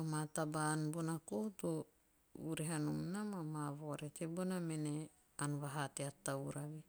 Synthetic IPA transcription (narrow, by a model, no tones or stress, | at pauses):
amatabanbonakuhutu | uɾeɦanumnamamaβoɾetebonamene | anuβaɦateatawɾaβi